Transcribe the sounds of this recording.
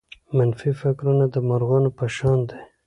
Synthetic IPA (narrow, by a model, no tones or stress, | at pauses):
manfifakɾunad̪əmaɾɣɑnopaʃɑnd̪e